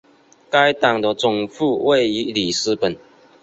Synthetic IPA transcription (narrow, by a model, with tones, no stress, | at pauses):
ka˦ɪt̪a˨˩ŋd̪ə˨t͡sʊ˨˩ŋfu˥˧wʔe˥˨ɪi˧˥li˨˩s̩˦pə˨˩˦n